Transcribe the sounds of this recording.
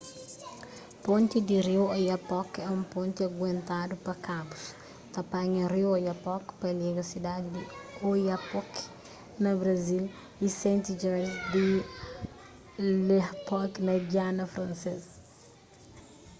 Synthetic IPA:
põnt̪id̪irioajɐpɔkɛũmpõnt̪iɐɡwẽnt̪ad̪upɐkabus | t̪ɐpaɲɐriojɐpɔkpɐliɡɐsid̪ad̪id̪iojapɔk | nɐbɾɐzil | isẽnt̪id͡ʒɛɾsd̪i | lepɔknɐd͡ʒianɐfɾɐ̃nsez

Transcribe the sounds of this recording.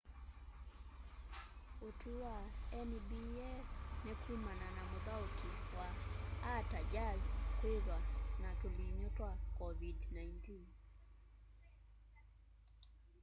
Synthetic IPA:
otʰuaɛnibiɛnɛkʰumananamʊðaokiwaː | tad͡ʒazkweðwanatoliɲɔtwakɔvidnaintin

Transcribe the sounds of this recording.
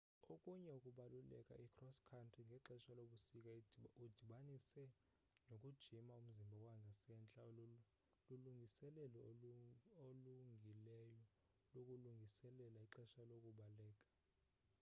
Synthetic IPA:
okʼuɲɛukʼuɓalulɛ̰kʼa̰ʔikʰrɔskʰantʰʼriŋɡʱɛǁɛʃaloɓusikʼaud̥ʱiɓanisɛ | nokʼud̥ʒ̥ʱimaum̩zimbʱawaŋɡʱasɛnt͡ɬʼa | luluŋɡʱisɛlɛlɔ | oluŋɡʱilɛjɔ | lokʼuluŋɡʱisɛlɛlaiǁɛʃalokʼuɓalɛːkʼḁ

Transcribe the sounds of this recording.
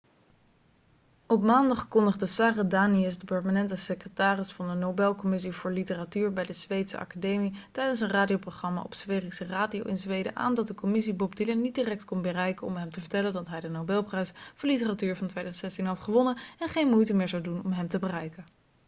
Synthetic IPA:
ɔpmaːndɑχkɔndəχdəsaːradaːniəsdəpɛɹmanɛntəsekrətaːrɪsfɑndənowbɛlˠkɔmɪs̬ivʊːɹlitəratyːɹbɛjdəzʋejtsə̰ʔɑ̰kadejmitɛjdəns̬ənraːdiowproχrɑma̰ʔɔ̰psʋeːriksəraːdio̰wʔɪnzʋejdə̰ʔa̰ːndɑt̚dəkɔmɪs̬ibɔbdilənit̚diːrɛk̚tkɔnbərɛjkəɔ̰mɦɛmtəvəɹtɛləndɑtɦɛjdənowbɛlˠprɛjsfɔɹlitəratyːɹvɑntʋejdazntsɛstinɦɑtχəʋɔnəɛnχejnmujtəmɪːɹzɑwdunɔmɦɛmtəbərɛjkən

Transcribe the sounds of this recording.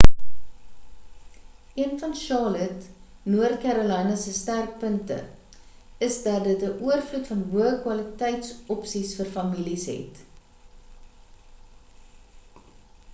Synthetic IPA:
ʔiənfɐnʃɑːlətnuərtkæɾolɛjnəsəstærk̚pəntə̰ | əsdɐtdətəʔuərflutfɐnɦuəkwɐlətɛjtsɔpsisfərfɐmilisɦɛ̰t

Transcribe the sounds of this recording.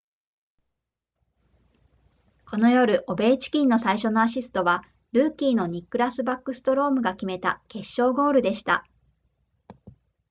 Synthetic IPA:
ko̞no̞jo̞ɾɯ̟ʔo̞be̞ːt͡ɕi̥kʲĩnːo̞saiɕo̞no̞aɕ̬isɨ̥t̪o̞βa | ɾɯ̟ːkʲiːno̞ɲ̟ikːɯ̟ɾasɨbakːɯ̟sɨ̥t̪o̞ɾo̞ːmɯ̟ɡakʲime̞t̪a̰ke̞ɕːo̞ːɡo̞ːɾɯ̟d̪e̞ɕi̥t̪a̰

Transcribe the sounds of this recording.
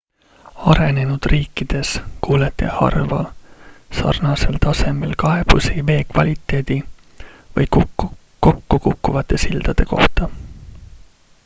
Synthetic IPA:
ɑɾe̞ne̞nud̪̥riːkːˑid̪̥e̞skuːlet̪ːˑehɑ̰rvɑ̰lsɑ̰rnɑse̞lt̪ɑse̞melkɑe̞b̥usive̞ːkvɑlʲit̪ːˑe̞ːd̪̥i | vɤjk | ko̞kːukukːuvɑt̪ːˑe̞sild̪̥ɑd̪̥e̞ko̞ht̪ɑ

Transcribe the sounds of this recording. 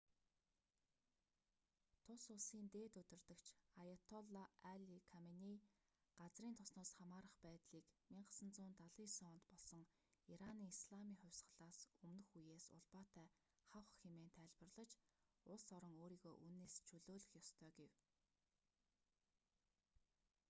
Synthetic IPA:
t̪ʰʊsʊɮsiːnt̪eːt̪ɵt̪ɵ̆rt̪ə̆kt͡ɕʰajɔt̪ʰɔɮɔaɮikʰameni | ɢ̥at͡sriːnt̪ʰʊsnɔːsχamaːɾə̆χpæːt̪ɮiːkmiɴɢə̥̆sə̆nt͡sʊːnt̪aɮiːsɔːnt̪pɔɮsɞ̆ŋ | iɾaniːŋisɮamiːŋχʊ̟wʲsɢə̆ɮaːsɵmnɵ̆xujeːsʊ̰ɮpaːt̪ʰæː | χawχxemeːnt̪ʰæːɮpə̆rɮə̆t͡ɕ | ʊɮsɔɾɞ̆ŋoːɾiːɣoːʔunːeːst͡ɕʰɵɮoːɮɵ̆xjɔst̪ʰœːɡew

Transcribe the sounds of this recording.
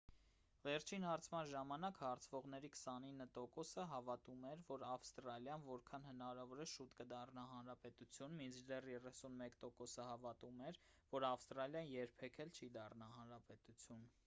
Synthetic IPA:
vɛɾt͡ʃʰinhɑɾt͡sʰmɑnʒɑmɑnɑkhɑɾt͡sʰvɔʁn̪ɛɾikʰə̥sɑninːət̪ɔkɔsəɦɑvɑt̪umɛɾvɔɾɑfst̪ɾɑljɑnvɔɾkʰɑnhənɑɾɑvɔɾɛʃut̪kəd̪ɑrnɑɦɑnɾɑpɛt̪ut͡sʰjunmind͡ʒd̪ɛrjɛrɛsunmɛkt̪ɔkɔsəhɑvɑt̪umɛɾvɔɾɑfst̪ɾɑljɑnjɛɾpʰɛkʰɛlt͡ʃʰid̪ɑrnɑɦɑnɾɑpɛt̪ut͡sʰjun

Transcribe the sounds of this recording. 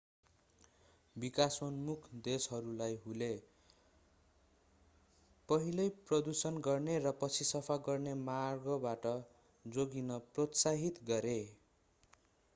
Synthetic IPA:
bikasonmukʰd̪esʌɾulajɦule | pʌɦilʌjprʌd̪usʌnɡʌrnerʌpʌt͡sʰisʌpʰaɡʌrnemarɡʌbaʈʌ | d͡zoɡinʌprot̪saɦit̪ɡʌɾe

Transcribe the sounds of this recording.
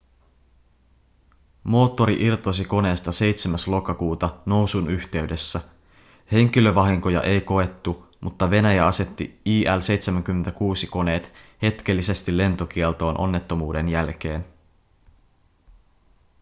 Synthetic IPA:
mo̞ːt̪ːo̞ɾiʔirt̪osiko̞ne̞ːst̪ɑse̞jt̪semæslo̞kɑkuːt̪ɑno̞wsunyçt̪e̞yde̞sːæ | he̞ŋk̟ilø̞ʋɑɦiŋko̞jɑ̰ʔe̞jko̞e̞t̪ːu | mʔut̪ːɑʋe̞næjæɑse̞t̪ːḭiːʔælse̞jt̪semæŋk̟ymːent̪ækuːsiko̞ne̞ːt̪he̞t̪k̟e̞lːise̞st̪ile̞nt̪o̞k̟ielt̪o̞ːnʔo̞̰nːe̞t̪ːo̞muːde̞njælk̟e̞ːn

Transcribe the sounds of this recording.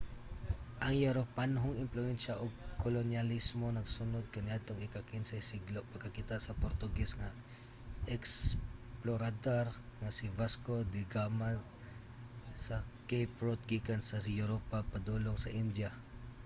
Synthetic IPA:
ʔɐŋjʊɾopanɦoŋɪmplʊɛnʃaʔoɡ̚kʰolonjalismo̞nɐɡsʊnod̪̚kɐnɪat̪oŋɪkakɪnsɛsiɡloʔpɐɡkɐkit̪asɐpoɾt̪ʊɡɛsŋa | ʔɛksploɾad̪oɾŋasɪvaskod̪ɪɡama | sɐkejpɹot̪̚ɡikansɐjuɾopapad̪uloŋsɐʔɪnd̪ja

